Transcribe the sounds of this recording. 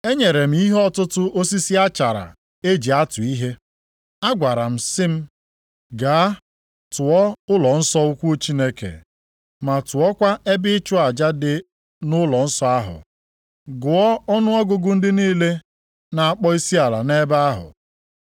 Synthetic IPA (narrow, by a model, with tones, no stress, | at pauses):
e˦ɲe˨ɾe˨m̩˦i˦ɦe˦ɔ˦tʊ˦tʊ˦o˦si˦si˦a˦t͡ʃa˨ɾa̰˨ | e˦d͡ʒi˨a˦tʊ˨i˦ɦe˦ | a˦ɡʷa˨ɾa˨m̩˨sɪ˦m̩˦ | ɡa˨a˦ | tʊ˨ɔ˦ʊ˦lɔ˨n̩˦sɔ˦ʊ˦kʷu˦t͡ʃi˦ne˦kḛ˨ | ma˨tʊ˨ɔ˦kʷa˦e˦bɪ˦ɪ˦t͡ʃʊ˦a˨d͡ʒa˦dɪ˨ | nʊ˦lɔ˨n̩˦sɔ˦a˦ɦʊ̰˨ | ɡʊ˨ɔ˦ɔ˦nʊ˦ɔ˦ɡʊ˨ɡʊ˦n̩˦dɪ˦niː˦le˦ | na˨a˨k͡pɔ˦i˦si˦a˨la̰˨ne˦ba˦a˦ɦʊ̰˨